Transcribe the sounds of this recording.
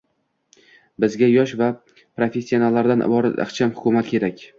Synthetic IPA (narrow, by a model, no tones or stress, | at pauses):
bɪzɡʲajɒʃva | pɾofe̞sʲːio̞nalːaɾd̪anɪ̰bɒɾat̪ɑ̰χt͡ʃʰamhʊkʰʲʊmat̪kʲʰe̞ɾakʲ